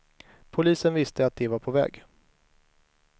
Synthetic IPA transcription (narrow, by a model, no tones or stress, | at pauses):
pʰʊliːsənvɪst̪ʰəat̪̚d̪ɛvaɾpʰɔvɛ̰ːɡ